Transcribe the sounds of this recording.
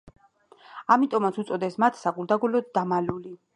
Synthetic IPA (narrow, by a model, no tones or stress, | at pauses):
amit̪ʼɔmat̪sʰut̪sʼɔd̪ɛsmat̪ʰsaɡuɾd̪aɡulɔd̪d̪amaluli